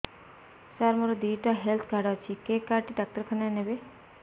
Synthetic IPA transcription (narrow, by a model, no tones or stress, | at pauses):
saɾmoɾod̪iːʈaɦelt̪ʰɡʱaɽat͡ʃʰikekaːɾʈiɖak̚ʈəɾkʰənanebe